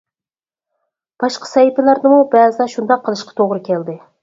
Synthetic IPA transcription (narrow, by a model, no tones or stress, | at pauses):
b̥ɑʃqɑ̥sɛjip̪ɪlæɾd̪ɨmubɛːzɨd̪ɛʃund̪ɑqʰːəlˠɨʃqʰɑ̥t̪ʰoʁɾɨkʲʰɛld̪ɪ